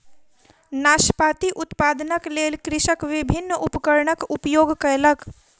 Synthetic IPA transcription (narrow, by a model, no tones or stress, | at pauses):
naːʃpaːt̪iʔʊt̪paːd̪ənəkleːlkɾɪʃəkʋɪbʱɪnːupəkəɾɳəkʊpjoːɡkəelək